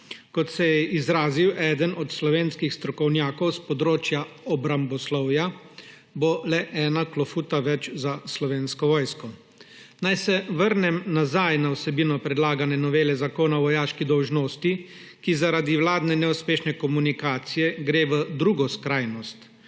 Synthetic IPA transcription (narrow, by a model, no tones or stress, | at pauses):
kɔt̪sɛjɛʔizɾaːziwʔɛːd̪ənɔt̪slɔʋeːnskixst̪ɾɔkɔwnjaːkɔwspɔd̪ɾoːt͡ʃjaɔbɾambɔslɔwja | bolɛʔɛːnaklɔfuːt̪aʋɛt͡ʃzaslɔʋeːnskɔʋɔːjskɔ | najsɛʋəɾnɛmnazajnawsɛbiːnɔpɾɛd̪laːɡanɛnɔʋeːlɛzakoːnaʋɔjaːʃkid̪ɔwʒnoːst̪i | kizaɾaːd̪iwlaːd̪nɛnɛuspeːʃnɛkɔmunikaːt̪sijɛɡɾeːʋəd̪ɾuːɡɔskɾaːjnɔst̪